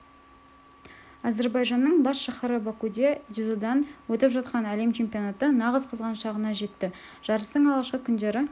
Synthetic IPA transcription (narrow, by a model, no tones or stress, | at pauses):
aze̞ɾbɑjʒɑnːəɴbɑsʃɑχəɾəbakud̪ʲed̪izod̪ɑnwɵt̪ɪpʒɑt̪̚qɑnæle̞mt͡ʃʰe̞mpʲijo̞nat̪ənɑʁəzqʰəzʁɑnʃɑʁənɑʒe̞t̪ːɪ | ʒ̥ɑɾəst̪əɴɑlˠʁɑʃqəkʲʰʏnd̪e̞ɾɪ